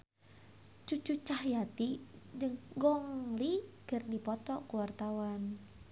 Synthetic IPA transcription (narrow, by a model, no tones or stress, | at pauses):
t͡ʃut͡ʃut͡ʃahjat̪id͡ʒəŋɡɔŋlikɨrdipɔt̪ɔkuwart̪awan